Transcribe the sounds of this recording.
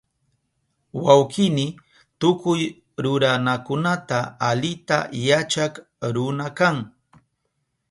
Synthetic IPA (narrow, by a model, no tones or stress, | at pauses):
wawkɪnɪ | t̪ʊkʊj | ɾʊɾanakʊnat̪aːlɪt̪a̰jat͡ʃak | ɾʊnakaŋ